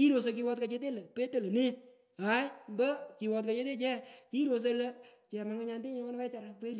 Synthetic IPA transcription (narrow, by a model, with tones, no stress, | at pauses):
ki˦ɾo˨s̬o˧ki˧wɔ˧t̚ka˨t͡ʃe˦t̬e˦lə˨pe˦te˨lo˨nɪ˦ | a˨˦jmbə˦ki˨wɔ˧t̚ka˨t͡ʃe˦te˦t͡ʃɛ˦ki˦ɾo˧s̬e˧lə˦t͡ʃɛ˨ma˨ŋa˧˦ɲa˧nde˦ɲɪ˦ɔ˦n˦wɛ˦t͡ʃa˨ɾa˨˧we˦l